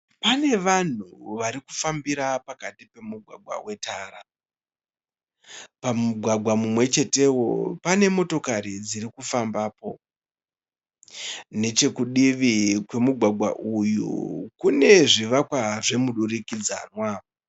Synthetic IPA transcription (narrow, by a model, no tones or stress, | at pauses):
pane̞ʋan̤uʋaɾikufambiɾapakatipe̞muɡʱwa̰ɡʱwa̰we̞taːɾa | pamuɡʱwaɡʱwamumwe̞t͡ʃe̞te̞wo̞̰pane̞mo̞to̞kaɾid͡ziɾikufambaːpo̞ | ne̞t͡ʃe̞kuɗiʋikwe̞muɡʱwaɡʱwa̰ʔujṵkune̞ʐiʋakwaʐe̞muɗurikid͡za̰ːnwa